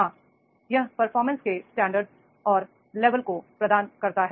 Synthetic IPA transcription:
ɦãː | jɐɦpɐɾfɔːɾmə̃nskesʈɛ̃ːɳɖəɾɖz | ɔːɾ | leːʋəlkopɾɐd̪aːnkɐɾt̪aɦɛ

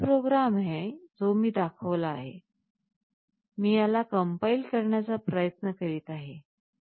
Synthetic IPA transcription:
pɾoɡɾamɦẽd͡zomiːd̪akʰəʋlaːɦḛ | miːjalakəmpaiːlkəɾɳjat͡sapɾəjət̪nəkəɾiːt̪aɦe

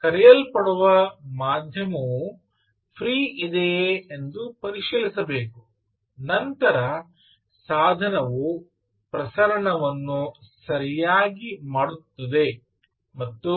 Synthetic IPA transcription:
kɐɾɛjɐlpɐɽuʋɐmaːd̪ʱjɐmɐʋu | pʰɾiːid̪eend̪upɐɾiʂilisɐbeːku | nɐnt̪ɐɾɐ | saːd̪ʱɐnɐʋu | pɾɐsɐɾɐɳɐʋɐnːusɐɾijaːɡimaːɽut̪ːɐd̪e̞ | mɐt̪ːu

